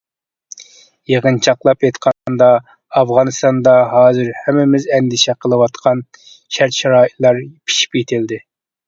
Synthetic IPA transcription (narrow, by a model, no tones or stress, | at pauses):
jeʁənt͡ʃʰɑqlˠɑpet̪qʰɑnnd̪ɑː | fʁɑnɨst̪ɑnd̪ɑɦɑːzɨɾhɛmːɪmɪzɛnd̪ɪʃɛqʰəlˠɨwɑt̪qʰɑn | ʃæɾt̪ʃɑɾɑːit̪lˠɑɾpʰi̥ʃi̥pjet̪ʰɪld̪ɪ